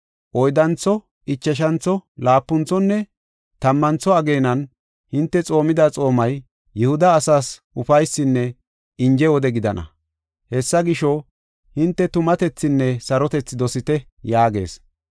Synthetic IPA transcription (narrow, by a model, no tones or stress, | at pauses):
ʔɔjd̪ɐnt͡sːɔ | ɪt͡ʃːɛʃ̬ɐnt͡sɔlaːpːʊnt͡sːɔnːɛ | t̪ɐmːɐnt͡sːɔɐɡe̞ːnɐn | hɪnt̪ːɛt͡sʼo̞ːmɪd̪at͡sʼo̞ːmɐj | jɛhʊd̪ɐːsaːsʔʊfɐjsːɪnːɛ | ɪnd͡ʒɛwɔd̪ɛɡɪd̪ɐnʔɐ̰ | hɛsːɐɡɪʃɔ | hɪnt̪ːɛt̪ʊmɐt̪ɛt͡sːɪnːɛsɐɾɔt̪ɛt͡sːɪd̪ɔsɪt̪ɛ | jaːɡe̞̰ːs